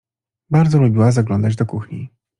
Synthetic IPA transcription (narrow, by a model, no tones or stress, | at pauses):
baɾd̪zɔlubʲiwazaɡlɔnd̪ad͡ʑd̪ɔkuxɲḭ